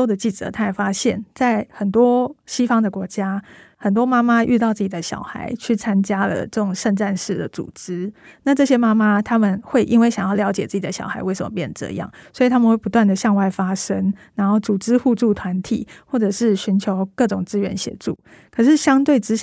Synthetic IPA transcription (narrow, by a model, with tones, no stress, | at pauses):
ʊd̪ə˨t͡ɕi˥˩ʈ͡ʂə̰˨˩˦t̪ʰa˥ɛ˨˩ɪfa˥ɕjɛ˥˩nt͡sa˥˩ɪxə˨˩nt̪wɔ˥ɕi˥fɑ˥ŋd̪ə˨kwɔ˧˥t͡ɕja˥xə˨˩nt̪wɔ˥ma˥ma˥˦y˥˧t̪̬ɑ˥˧ʊt͡sɹ̩˥˩t͡ɕi˨˩d̪ə˦ɕjɑ̰˨˩ʊxa̰˧˥ɪt͡ɕʰy˥˩t͡sʰa˦˥nt͡ɕja˥lə̰˨ʈ͡ʂɤ˥˩ʈ͡ʂʊ˨˩ŋʂə˥˧nʈ͡ʂa˥˧nʂɻ̩˥˩d̪ə̰˩t͡sṵ˨˩ʈ͡ʂɻ̩˥na˥˧ʈ͡ʂɤ˥˩ɕ̬jɛ˥ma˥ma˦t̪ʰa˥mə˨nxwe˥˧ɪʔi˥nwe˥˩ɪɕjɑ˨˩ŋjɑ˥˩ʊljɑ˧˥ʊt͡ɕjɛ˨˩t͡sɹ̩ɨ˥˩t͡ɕi˨˩d̪ə˩ɕjɑ̰˨˩ʊxa̰˧˥ɪwe˥˩ɪʂə˨mə̰˧˩pjɛ˥˩nd̪ə˩ʈ͡ʂɤ̰˥˧ḭ˧˦jɑ̰˥˩ŋswɔ˧˥i˨˩t̪ʰa˥mə˨nxwe˥˩ɪpu˧t̪wa˥˩nd̪ə˩ɕjɑ˥˧ŋwa˥˩ɪfa˥ʂə˦˥ŋna˧˥nxo˥˩ʊt͡su˨˩ʈ͡ʂɻ̩˥xu˥˧ʈ͡ʂu˥˩t̪ʰwa˧˥nt̪ʰḭ˨˩xwɔ˥˩ʈ͡ʂɤ˨˩ʂɻ̩˥˩ɕy˧˥nt͡ɕʰjo˧˥ʊkɤ˥˩ʈ͡ʂʊ˨˩ŋt͡sɹ̩˥ɥɛ̰˧˥nɕjɛ̰˨˩ʈ͡ʂṵ˥˩ | kʰə˨˩ʂɻ̩˥˩ɕjɑ˥ŋt̪we˥˩ɪʈ͡ʂɻ̩˥